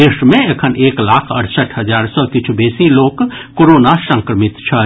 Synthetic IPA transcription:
eːʃmẽekʰənʔeːklaːkʰɐ̰ʈsəʈʰɦɐzaːɾsɔkɪt͡ʃʰubeːsiloːkkoːɾoːnasə̃ŋkɾəmɪt̪t͡ʃʰɐ

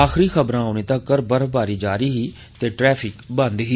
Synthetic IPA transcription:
aːxɾiːxəbɾãːɦonẽːt̪ãkːəɾbəɾbaːɾiːd͡ʒaːɾiːɦiː | t̪eːʈɾɛːpʰɪkbə̃nd̪ɦiː

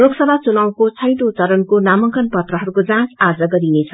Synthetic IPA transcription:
loɡsʌbʱat͡sunaw̃kot͡sʰʌjd̪ot͡sʌɾʌnkonamʌŋkʌnpʌt̪rʌɦʌɾukod͡zãsad͡zʌɡʌɾinet͡sʰʌ

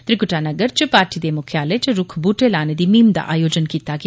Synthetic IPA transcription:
t̪ɾɪkʊʈaːnɐɡəɾt͡ʃəpaːɾʈid̪emʊkʰjaːlet͡ʃəɾʊkʰbuːʈelaːned̪iːmiːmd̪a̰ʔa̰ːjoːd͡ʒənkiːt̪ak

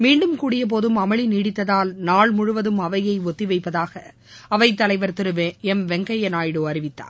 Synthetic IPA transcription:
miːɳɖɯmkuːɽɪjɐp̬oːðɯmɐmɐɭɪniːɽɪt̪ːɐðaːlnaːɭmʊɻʊʋɐðɯmɐʋɐjɐɪɔt̪ːiʋɐɪpːɐðaːɣɐ | ɐʋɐɪt̪ːɐlɐɪʋɐɾt̪ɪɾɯʋeɛmʋɛŋɡɐjɐnaːjɽɯɐɾɪʋɪt̪ːa̰ːn

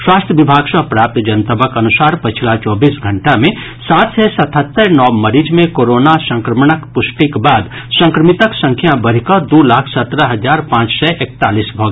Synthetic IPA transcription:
ʃwaːst̪ʰjəʋɪbʱaːɡsapɾaːp̚t̪d͡ʒɐnt̪əbəkɐnʊsaːɾpət͡ʃʰlat͡ʃɔːbiːsɡʱə̃ɳʈamẽ | saːt̪ʰsɛsɐt̪ʰət̪ːəɾnɔːməɾiːd͡ʒmẽkoːɾoːnasə̃ŋkɾəmɽəkpʊsʈikbaːd̪ | sə̃ŋkɾəmɪt̪əksə̃ŋkʰjabəɾ̤ikad̪olaːkʰsɐt̪ɾəɦɐd͡ʒaːɾpãːt͡ʃsɛʔeːk̚t̪aːliːsbʱɔːɡ

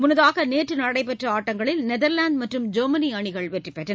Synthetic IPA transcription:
mʊnɐðaːɣɐneːʈrɯnɐɽɐɪpɛʈrɐaːʈːɐŋɡɐɭɪlnɛðɐɾlaːnd̪̚mɐʈrɯmd͡ʒoːmɐniɐɳɪɣɐɭʋɛʈrɪpːeːʈːɐ

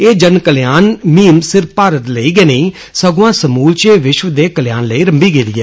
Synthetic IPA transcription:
eːd͡ʒənkəljaːnmiːmsɪɾfpaːɾət̪ləiːɡeːneiː | səɡoãːsəmuːlt͡ʃeːʋɪʃʋd̪eːkəljaːnləiːɾəmbiːɡeːd̪iːɛ̰ː

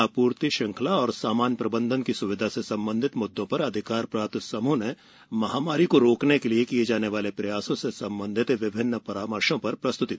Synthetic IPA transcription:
apuːɾt̪iʃɐ̃ŋkʰəlaɔːɾsaːmaːnjəpɾɐbə̃nd̪ʱənkisʊʋɪd̪ʱasesɐ̃mbə̃nd̪ʱɪt̪mʊd̪ːõpɐɾɐd̪ʱɪkaːɾpɾaːt̪sɐmune | mɐɦaːmaːɾikoɾoːknekeliekied͡ʒaːneʋaːlepɾɐjaːsõsesɐ̃mbə̃nd̪ʱɪt̪ʋɪbʱɪnːəpɐɾaːməɾʃõpɐɾpɾɐst̪ʊt̪i

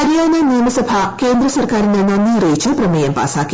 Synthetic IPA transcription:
ɐɾjaːnɐniːmɐsɐbʱɐkeːnd̪ɾɐsɐrkaːɾind̪enɐnːiːreːjt͡ɕːɐprɐmɐjɐmpa̰ːsaːkːi

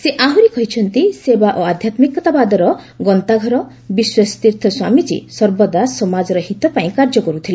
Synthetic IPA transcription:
seʔaɦuɾikɔɦit͡ʃʰɔnt̪isebaʔoad̪ʱjat̪mikɔt̪abad̪ɔɾɔ | ɡɔnt̪aɡʱɔɾɔ | biswɔst̪iɾt̪ʰɔswamit͡ʃḭsɔɾbɔd̪asɔmad͡ʒɔɾɔhit̪ɔpaĩkaɾd͡ʒɔkɔɾut̪ʰile

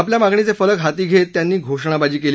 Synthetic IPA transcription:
apljamaɡɳit͡sefələkɦat̪iːɡʱet̪ːjanːiːɡʱoʂɳabad͡ʑiːkel

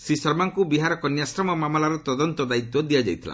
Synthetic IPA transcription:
sisɔɾmaŋkubiɦaɾɔkɔnjasɾɔmɔmamɔlaɾɔt̪ɔd̪ɔnt̪ɔd̪ait̪wɔd̪ijad͡ʒa̰jt̪ʰila̰

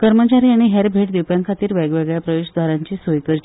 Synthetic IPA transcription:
kəɾmət͡ɕaɾiːaɽ̃iɦeɾbʱeʈd̪iwpjaŋkʰat̪iːɾʋɛɡʋɛɡɭjapɾəʋeɕd̪ʱʋaɾaɲt͡ɕiːsojkəɾt͡ɕ

